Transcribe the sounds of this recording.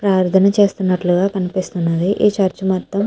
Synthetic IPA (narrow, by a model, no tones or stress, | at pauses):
pɾaːɾt̪ʰɐnɐt͡ʃe̞ːst̪unːɐʈluɡaːkɐnipist̪unːɐd̪iʔeːt͡ʃaɾt͡ʃumaːt̪ːɐm